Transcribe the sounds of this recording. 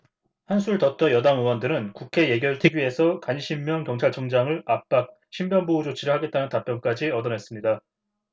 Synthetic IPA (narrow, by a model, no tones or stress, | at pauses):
hansʰuɭtʌt͈ʌjʌdaŋɯwʌndɯɾɯnkukʰe̞je̞ɡjʌɾɯɭtʰeɡie̞sʰʌkaɲɕʰimːjʌŋkjʌŋt͡ɕʰaɭt͡ɕʰʌŋd͡ʑaŋɯɭap̚p͈ak̚ | ɕʰimbjʌnboud͡ʑot͡ɕʰiɾɯɭhaɡe̞t͈anɯntap͈jʌnk͈ad͡ʑiʌdʌnɦe̞s͈ɯmɲida